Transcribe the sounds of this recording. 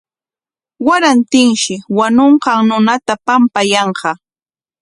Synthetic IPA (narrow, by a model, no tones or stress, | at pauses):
waɾant̪ɪŋʃɪwanoɴɢɑŋnʊnat̪apampajɑɴqɑ